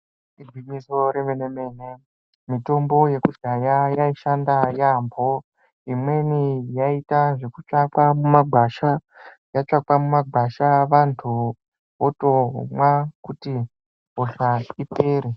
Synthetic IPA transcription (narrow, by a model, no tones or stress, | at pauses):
id͡zwiɲiso̞ɾeʋeneme̞ːne | mito̞mbo̞je̞kud͡ʒajajaiʃandajambʱo̞ | imwe̞nijaitaʐe̞kut͡ʂakwamumaɡʱaʃa | jat͡ʂakwamumaɡʱaʃaʋantʰu | ʋoto̞mwakuti | ɦoɬaipeːɾe